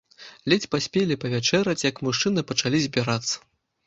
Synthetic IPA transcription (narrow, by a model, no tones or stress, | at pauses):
lʲɛt͡sʲpasʲpʲelʲipɐvʲat͡ʂɛɾɐt͡sʲjɐkmuʂt͡ʂɨnɨpɐt͡ʂalʲizʲbʲiɾat̪sːɐ̥